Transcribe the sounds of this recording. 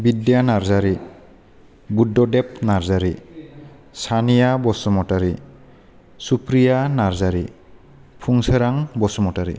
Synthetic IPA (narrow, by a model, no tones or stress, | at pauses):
bidjanaɾzaɾi | budːɔdep̚naɾzaɾi | sʰanijabɔsɔmɔtaɾi | supɾijanaɾzaɾi | pʰuŋseɾaŋbɔsɔmɔtaɾḭ